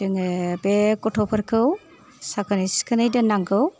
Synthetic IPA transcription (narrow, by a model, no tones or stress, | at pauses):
ɯŋbekɔtʰɔpʰɐɾkʰɯw | sakʰɯnɯjskʰɯnɯjdɯnaŋkʰɯw